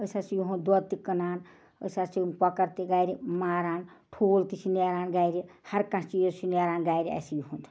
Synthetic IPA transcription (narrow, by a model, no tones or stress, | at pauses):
əsasijuɦũnd̪ɔt̪ikɐnaːn | ə̰sasipɔkɐɾt̪iɡajɾimaːɾaːn | ʈʰoːlt̪isʰineɾaːnɡajɾihɐɾkãst͡ʃijosʰinaɾaːnɡajɾia̰sijuhunt̪ʰ